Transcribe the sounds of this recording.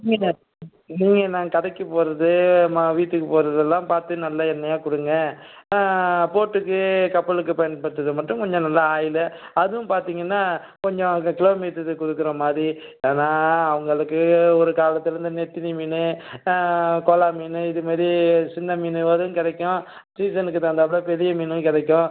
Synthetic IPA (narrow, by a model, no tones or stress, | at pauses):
minɐ | niːŋɡɐnãːkɐɽɐkːɯpoːɾɐðɯmaʋiːʈːɯkːɯpoːɾɐðɛlːãːpaːɾt̪ɯnɐlːɐɛnːɐjaːkʊɽɯŋɡɐ̃ | poːʈːɯkːɯkɐpːɐɭɯkːɯpɐjɐnpɐɽt̪ːɐðɯmɐʈːʊ̃kɔɲd͡ʒɔ̃nɐlːɐaːjɪlɐɐðɯʋʊ̃mpaːɾt̪iːŋɡɐnːaː | kɔɲd͡ʒɔ̃kɪlɐʋmiːt̪ːɯðɯkʊɽɯkːɪɾɐmaːd̪ɾi | eːnaːɐʋɐŋɡɐɭɯkːɯɔɾɯkaːlɐt̪ːɯɾɯnd̪ɯnɛʈːɪnimiːnɯ | kɔːlaːmiːnɯɪðɯmɐːðɾisɪnd̪ɐmiːnɯʋɐɾɯ̃kɪɽɐkːʊ̃ | siːsɐnɯkːɯt̪ãːd̪aːpːɐɽɐpɛɾɪjɐmiːnɯ̃kɪɽɐkːʊ̃